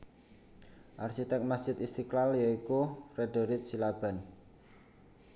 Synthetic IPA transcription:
ʔarʃit̪ɛk̚masd̥ʒ̥ɪt̪ist̪iklaljaikufɾeɖo̤ɾɪt̪̚silab̥a̤n

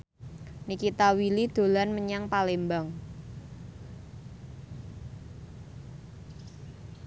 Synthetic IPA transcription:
nikit̪awilid̪̥o̤lanməɲaŋpalembaŋ

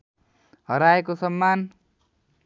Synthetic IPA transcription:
ɦʌɾaekosʌmːan

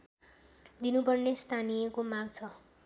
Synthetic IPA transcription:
d̪inupʌrnest̪ʰanijekomaɡt͡sʰʌ

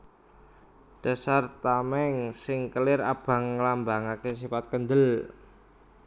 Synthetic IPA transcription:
ɖ̥a̤sart̪amɛŋsɪŋkəlɪra̰b̥a̤ŋːəlambaŋakes̬ifat̪̚kənd̪əl

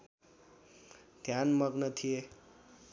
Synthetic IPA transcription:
d̪ʱjanmʌɡnət̪ʰie

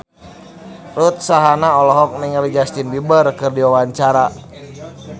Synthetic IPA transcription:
rut̪̚saɦanaɔlɔɦɔk̚niŋlid͡ʒast̪inbibərkɨrdiwawaɲt͡ʃaɾa

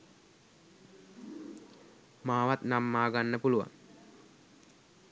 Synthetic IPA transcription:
maːʋat̪namːaːɡanːəpuluʋa̰ŋ

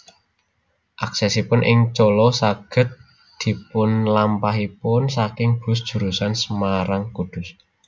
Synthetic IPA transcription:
ʔaksɛsipʊnʔɪ̰ŋt͡ʃɔlɔsaɡ̥ə̤t̪̚ | d̪̥i̤pʊnlampaɦipʊnsakɪŋb̥ʊ̤s̬d̥ʒ̥ṳɾusansəmaɾaŋkud̪̥ʊ̤s

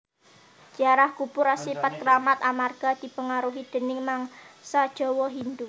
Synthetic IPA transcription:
d̥ʒ̥aɾahkupʊɾasipat̪̚kəɾamat̪amarɡ̥a̤d̪̥i̤pəŋaɾuɦid̪̥ə̤nɪŋmaŋsad̥ʒ̥ɔ̤wɔɦind̪u

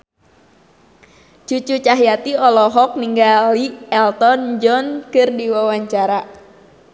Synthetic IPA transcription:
t͡ʃut͡ʃut͡ʃaɦjat̪iɔlɔɦɔk̚niŋɡaliɛlt̪ɔnd͡ʒɔnkɨrdiwawaɲt͡ʃaɾa

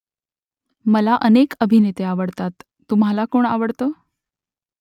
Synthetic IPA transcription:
məlaʔənekəbʱinet̪eaʋəɽt̪at̪ːum̤ɦalakoɳa̰ʋəɽt̪o

